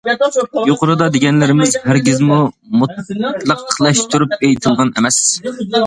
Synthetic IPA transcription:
joqʊɾɨd̪ɑd̪eɡʲɛnlɪɾɪmɪzhæɾɡʲizmu | mut̪lˠəqəlˠɛʃt̪ʰuɾupejt̪ʰɨlˠʁɑnɛ̰mɛs

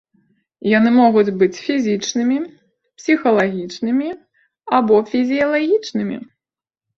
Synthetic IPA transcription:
janɨmɔɣud͡zʲbɨt͡sʲfʲizʲit͡ʂnɨmʲi | psʲixɐlˠaɣʲit͡ʂnɨmʲi | abɔfʲizʲijɐlˠaɣʲit͡ʂnɨmʲḭ

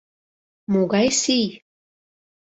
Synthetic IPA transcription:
muɡɑjsij

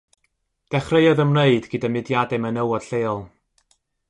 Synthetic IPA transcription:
d̥ɛχrejɔðəmneɨdɡədamɪdjadɨmənəwɔd̥ɬeːɔlˠ

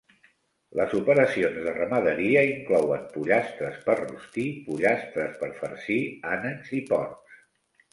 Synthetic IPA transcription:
ləzupəɾəsionzðərəməðəɾiəiŋklɔwəmpuʎast̪ɾəspəɾrṵst̪ipuʎast̪ɾəspəɾfəɾsianənzipɔɾs

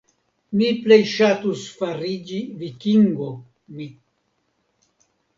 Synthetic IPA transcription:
miplejʃatusfaɾid͡ʒivikiŋɡo | mi

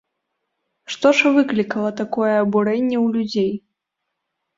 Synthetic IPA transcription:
ʂt̪ɔʐvɨklʲikɐlˠɐt̪akɔjɛːbuɾɛnʲːɛwlʲud͡zʲej

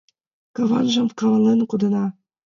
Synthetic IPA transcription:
kɑvɑnʒɤ̆mkɑlɑlenkud̪ɤ̆nɑ

